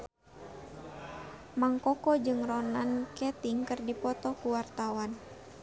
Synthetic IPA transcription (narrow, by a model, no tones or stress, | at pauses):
maŋkɔkɔd͡ʒɨŋrɔnankɛt̪iŋkɨrdipɔt̪ɔkuwart̪awan